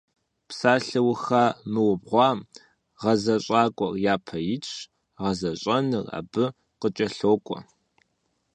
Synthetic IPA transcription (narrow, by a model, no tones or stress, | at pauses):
psaːɬɨwxaːmɨwʊbʁʷɑːm | ʁɐzɐɕʼɑːkʷʼɔrjaːpʰɐjɪt͡ʃʰ | ʁɐzɐɕʼɐnɨra̰ːbɨ | qət͡ʃʼɐɬoːkʷʼɔ̰